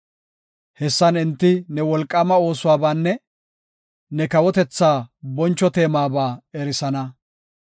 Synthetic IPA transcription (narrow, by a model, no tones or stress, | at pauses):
hɛsːɐnɪnt̪ːɪnɛwɔlkʼːɐmɐo̞ːsʊwaːbaːnːɛ | nɛkɐwɔt̪ɛt͡sːaːbɔnt͡ʃːɔt̪e̞ːmaːbaːɛɾɪsɐnɐ